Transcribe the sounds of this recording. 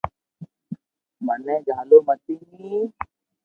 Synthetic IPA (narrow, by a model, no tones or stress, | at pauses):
mənɛːd͡ʒʱaːloːmət̪iɦi